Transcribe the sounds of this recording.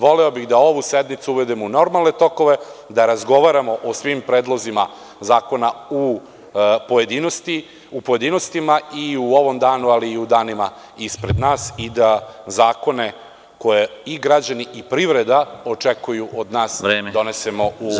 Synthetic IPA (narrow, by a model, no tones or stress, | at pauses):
ʋo̞leo̞biɣd̪ao̞ʋused̪nit̪suuʋe̞d̪emouno̞ɾmalˠne̞t̪o̞ko̞ʋe̞d̪aɾazɡo̞ʋaɾamo̞ʔosʋimpɾeːd̪lˠo̞zima | zaːko̞nau | pojed̪inost̪i | upo̞je̞d̪inost̪imaiuo̞ʋo̞md̪aːnualiːud̪aːnima | ispɾe̞d̪naːsid̪azaːko̞ne̞ | ko̞jeiɡɾad͡ʑaniʔipɾiʋɾe̞d̪ao̞t͡ʂekujuʔod̪naːsed̪o̞nese̞mo̞u